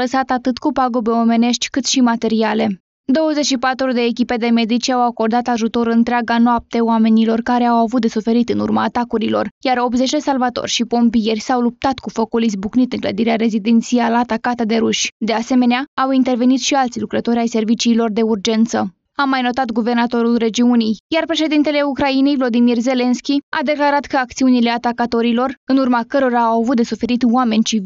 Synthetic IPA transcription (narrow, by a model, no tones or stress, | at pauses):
ləsat̪at̪ɨt̪kupaɡobe̞o̞me̞ne̞ʃt̪ʲkɨt̪ʃimat̪e̞ɾiale̞ | d̪o̞wəze̞t͡ʃʃipat̪ɾud̪e̞ːkʲipe̞d̪e̞me̞d̪it͡ʃʲawako̞rd̪at̪aʒut̪o̞ɾɨnt̪ɾeaɡanoap̚t̪eoame̞nilo̞rkaɾeawavut̪d̪e̞sufe̞ɾit̪ɨnurmaːt̪akuɾilo̞̰rjaɾo̞bze̞t͡ʃd̪e̞salvat̪o̞̰rʲʃipo̞mpije̞rʲsawlup̚t̪at̪kufokulizbuknit̪ɨŋklə̰d̪iɾeaɾe̞zid̪ent̪sialat̪akat̪əd̪e̞ɾuʃʲd̪e̞ase̞me̞neaawint̪e̞rve̞nit̪ʃialt̪sʲlukɾət̪o̞ɾʲajse̞rvit͡ʃiːlo̞rd̪e̞urd͡ʒe̞nt̪sə | amːajno̞t̪at̪ɡuve̞rnat̪o̞ɾulre̞d͡ʒiunijjarpɾe̞ʃe̞d̪int̪e̞le̞ukɾaine̞jvlo̞d̪imirze̞le̞nskʲia̰d̪e̞klaɾat̪kəakt̪siunile̞at̪akat̪o̞ɾilo̞rɨnurmakəɾo̞ɾaːwavut̪̚d̪e̞sufe̞ɾit̪wame̞nʲt͡ʃiv